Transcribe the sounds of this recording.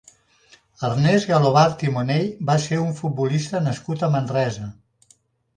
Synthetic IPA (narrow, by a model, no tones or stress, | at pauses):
əɾnɛzɣəloβaɾt̪imoneʎbaseuɱfut̪̚bulist̪ənəskut̪əmənrɛzə